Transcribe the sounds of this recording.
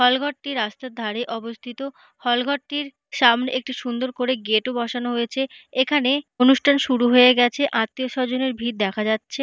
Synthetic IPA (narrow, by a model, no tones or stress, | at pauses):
hɔlɡʱɔʈːiɾast̪ad̪ʱaɾejʔɔbost̪ʰit̪o | hɔlɡʱɔʈːiɾ | ʃamneʔek̚ʈiʃund̪oɾkoɾeɡeʈobɔʃanoɦojet͡ɕʰeekʰaneonuʃʈʰanʃuɾuɦoeɡɛt͡ɕʰeʔãt̪ːioʃɔd͡ʑoneɾbʱiɾd̪ɛkʰad͡ʑatːɕʰe